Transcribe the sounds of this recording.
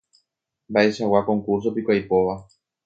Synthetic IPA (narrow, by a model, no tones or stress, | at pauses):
mbaʔe̞ʃawakõ̞ŋkuɾs̬opikʷajpo̞ʋa